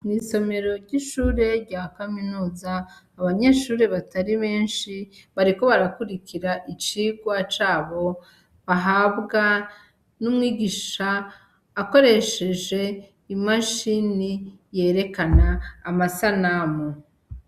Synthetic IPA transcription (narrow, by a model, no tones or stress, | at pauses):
mŋiːso̞me̞ɾo̞ɾɟiʃuːɾe̞ɾɟaːkaminuːzaː | βaɲe̞ːʃuːɾe̞βataɾiβe̞ːnʃiβaɾiko̞βaɾakuɾikiɾaʔit͡ʃiɡwat͡ʃaːβo̞ | βaɦaːbɡa | numŋiːɡiʃaː | ko̞ɾe̞ʃe̞ʒe̞ | imaʃinije̞ɾe̞kanaːmasanamo